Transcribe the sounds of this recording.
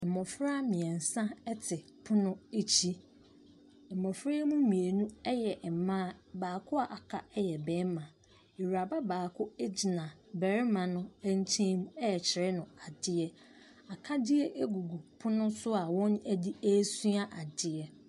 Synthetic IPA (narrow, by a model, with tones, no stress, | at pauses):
mɔ̃˨fɾa˦mĩ˨ɛ̃˨n̩˨sã˦ɛ˦tʰɪ˨ | pʰʊ˦nʊ̃˦e˦t͡ɕʰi˦˨ | m̩˨mɔ̃˨fɾe˦mũ˦mĩ˨e˨nũ˦ɛ˦jɛ˨mã˦˨baː˨kʰʊ˦a˨ʔa˨kʰa˦ɛ˦jɛ˨bɛ̃˨˦m˦mã˨ | e˨wu˨a˨ba˦baː˨kʰʊ˦e˦d͡ʑi˨nã˨bɛ˨ɾɪ˦mã˨nʊ̃˦æ˦n˦tʰĩ˦mɛ˦˨t͡ɕʰɪ˨ɾɪ˦nʊ̃˨a˨dɪ˦ɛ˦ | a˨kʰa˦dɪ˦ɛ˦ʔe˦ɡu˨ɡu˨pʰʊ˦nʊ̃˦sʊ˦a˨wɔ̃˦næ˦di˦æ˦su˦a˦ʔa˨dɪ˦ɛ˨